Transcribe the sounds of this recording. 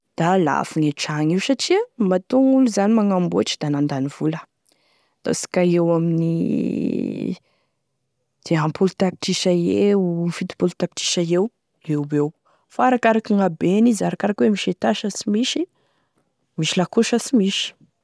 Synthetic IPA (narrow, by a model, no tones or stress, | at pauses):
d̪̥ala̰fuŋeʈ͡ʂaŋewsaʈ͡ʂiəmat̪oŋuluzanimaŋambuaʈ͡ʂid̪anand̪aniv̥ulə | d̪̥a̰si̥kaewaminḭ | d̪̥eɦampʰulut̪akiʈ͡ʂiʃaeufit̪i̥pulut̪akiʈ͡ʂi̥ʃaew | ewbew | faaɾakaɾakiŋabenizaɾakaɾakwemiʃet̪aʃəsimiʃi | miʃilakuʃəsimiʃi̥